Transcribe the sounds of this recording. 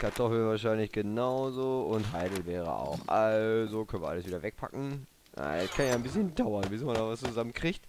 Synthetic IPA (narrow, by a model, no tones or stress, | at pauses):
kʰaɐtʰɔfl̩vaːɐʃ̬aɪnlɪçɡ̥ənaʊzoʊntɦaɪdl̩vɛːʁə̰a̰ʊxʔalzokʰœnviɐʔaləsviːdɐvɛk̚pʰa̰kŋ̩ | a̰ɛskʰanjaːɪnbɪsçəndaʊɐnbɪsmandaːvast͡suzamənkʁ̥içt